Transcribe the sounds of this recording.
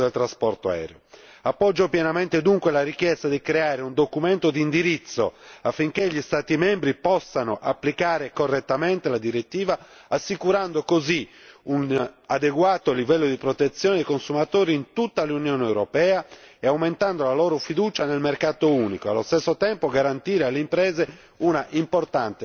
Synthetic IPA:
d̪elt̪ɾaspɔɾt̪o̰ɛ̰ːɾeo | apːɔd͡ʒːopjɛnamɛnt̪ed̪uŋkwelaɾik̟jɛst̪ad̪ikɾeaːɾeund̪okumɛnt̪od̪iːnd̪iɾit̪sːo̰afːiŋkeʎist̪aːt̪imɛmbɾipɔsːanoʔapːlikaːɾekorːɛt̪ːamɛnt̪elad̪iɾet̪ːiːva | asːikuɾand̪okoziunad̪eɡwaːt̪olivɛlːod̪ipɾot̪et̪sːjɔːned̪ejkonsumat̪oːɾiːnt̪ut̪ːalunjɔːnɛwɾopɛːaɛawment̪and̪olalɔːɾofid̪uːt͡ʃanelmerkaːt̪ouːnikoa̰lːo̰st̪ɛsːot̪ɛmpoɡaɾant̪iːɾealːeimpɾɛːze | unaʔimport̪ant̪e

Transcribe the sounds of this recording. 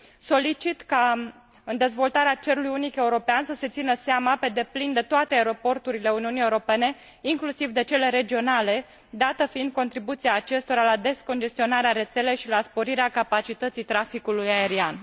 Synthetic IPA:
so̞lit͡ʃit̪ka | ɨnd̪e̞zvo̞lt̪aɾeat͡ʃeɾulujunike̞uɾo̞peansəse̞t̪sinəseamape̞d̪e̞plind̪e̞t̪oat̪eaeɾo̞po̞rt̪uɾile̞uniunije̞uɾo̞pe̞ne̞ | iŋklusivd̪e̞t͡ʃe̞le̞ɾe̞d͡ʒio̞nale̞ | d̪at̪əfiind̪̚ko̞nt̪ɾibut̪siaːt͡ʃe̞st̪o̞ɾalad̪e̞sko̞nd͡ʒe̞st̪io̞naɾeaɾe̞t̪se̞le̞jʃilaspo̞ɾiɾeakapat͡ʃit̪ət̪sijt̪ɾafikulujae̞ɾian

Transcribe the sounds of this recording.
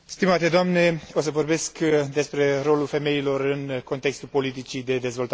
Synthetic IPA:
st̪imat̪e̞d̪oamne̞o̞s̬əvo̞rbe̞skd̪e̞spɾe̞ro̞lulfe̞me̞ilo̞rɨnko̞nt̪e̞kst̪ulpo̞lit̪̬it͡ʃid̪e̞d̪e̞zvo̞lt̪a

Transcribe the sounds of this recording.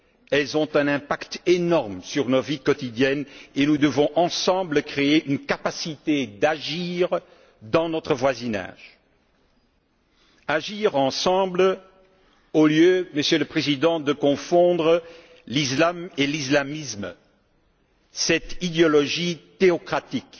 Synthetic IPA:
ɛlzɔ̃t̪ɛ̃nɛ̃pakt̪enɔʁmsyʁnɔt̪vikɔt̪id̪jɛnenud̪əvɔ̃ʔɑ̃sɑ̃bləkχeeʔynkapasit̪ed̪aʒiʁ | d̪ɑ̃nɔt̪χəvwazina̰ʒ | aʒiʁɑ̃sɑ̃bl | oljøməsjøləpχezid̪ɑ̃d̪əkɔ̃fɔ̃d̪ʁə | lislamelislamism | sɛt̪id̪eɔlɔʒit̪eɔkχat̪ik

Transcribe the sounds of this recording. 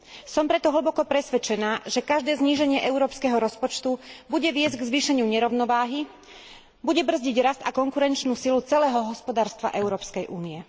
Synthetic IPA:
sɔmpɾɛt̪ɔɦl̩bɔkɔpɾɛsʋɛt͡ʃɛnaːʒɛkaʒd̪ɛːzɲiːʒɛɲɪɛʔɛʊɾɔːpskɛɦɔɾɔspɔt͡ʃt̪ubuɟɛʋɪɛzɟɡzʋiːʃɛɲɪuɲɛɾɔʊnɔʋaːɦi | buɟɛbr̩zɟiɟɾast̪akɔŋkuɾɛnt͡ʃnuːsilut͡sɛlɛːɦɔɦɔspɔd̪aːɾst̪ʋa̰ʔɛʊɾɔːpskɛjʔuːniɛ

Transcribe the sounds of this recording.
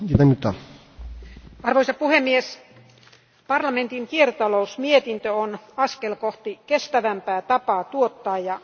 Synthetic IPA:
it̪ɑmyt̪ːɑ | ɑrʋoisɑpuhemːies | pɑrlɑment̪iŋkiert̪ɑlousmiet̪int̪øonɑskelkoht̪ikest̪æʋæmpæːt̪ɑpɑːt̪uot̪ːɑːjjɑ

